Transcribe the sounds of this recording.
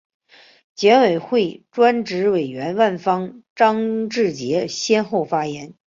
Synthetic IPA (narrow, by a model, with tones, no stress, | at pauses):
t͡ɕjɛ˧˥nwe˨˩ɪxwe˥˩ɪʈ͡ʂwa˥nʈ͡ʂɻ̩˧˥we˨˩ɪɥɛ˧˥nwa˥˩nfɑ˥ŋʈ͡ʂɑ˥ŋʈ͡ʂɻ̩˥˩t͡ɕjɛ˧˥ɕjɛ˥nxo˥˩ʊfa˥jɛ˧˥n